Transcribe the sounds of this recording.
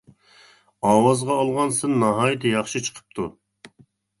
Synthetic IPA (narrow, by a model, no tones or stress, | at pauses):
ɑːwɑzʁɑːlˠʁɑnsɪnːɑɦɑːjɪt̪ʰɛjɑχʃit͡ʃʰə̥qʰə̥p̚t̪ʰu